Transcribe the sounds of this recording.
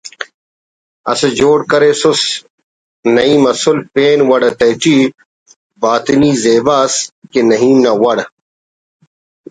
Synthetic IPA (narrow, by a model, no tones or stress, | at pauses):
ɐ̰sed͡ʑoːɽkɐɾeːsʊs | nɐiːmɐsulpeːnwɐɽɐt̪ɐʈ͡ʂiː | baːt̪iniːzeːbaːskenɐɦiːmnɐwɐɽ